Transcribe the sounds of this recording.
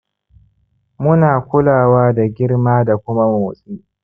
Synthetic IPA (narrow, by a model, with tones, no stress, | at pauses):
mʊ˦naː˨kʷʊ˦laː˨waː˦da˨ɡʲɪ˦rmaː˦da˨kʷʊ˦ma˦moː˨sʼiː˦ʔ